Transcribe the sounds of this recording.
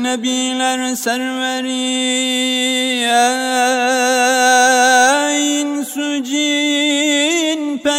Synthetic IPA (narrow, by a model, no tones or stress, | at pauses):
nɐbiːlɐɾ | sɐɾwɐɾi | a | jɪnsu | d͡ʒi | n | pɐ